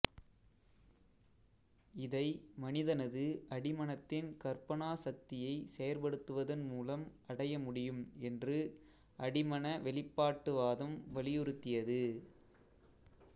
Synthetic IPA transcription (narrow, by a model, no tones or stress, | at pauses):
ɪðɐɪmɐnɪðɐnɐðɯɐɽɪmɐnɐt̪ːɪnkɐɾpɐɳaːsɐk̚t̪ɪjɐɪsɛjɐɾpɐɽɯt̪ːɯʋɐðɐnmuːlɐmʔɐɽɐjɐmʊɽɪjɯmɛndrɯ | ʔɐɽɪmɐnɐʋɛɭɪpːaːʈːɯʋaːðɐmʋɐlɪjɔɾɯt̪ːɪjɐðɯ